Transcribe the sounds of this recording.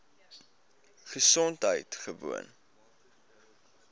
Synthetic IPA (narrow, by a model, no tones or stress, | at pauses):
χəsɔntɦə̰jtχəvṵə̰n